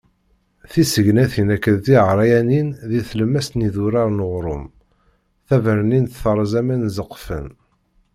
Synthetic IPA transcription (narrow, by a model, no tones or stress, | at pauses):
θisəʝnæθinækːəðt̪iʁɾˤɑjæninðiθləmːæst̪niðʊɾɑɾˤnəʁɾˤʊ̰m | θævəɾninθθəɾˤzæmænzəqːfə̰n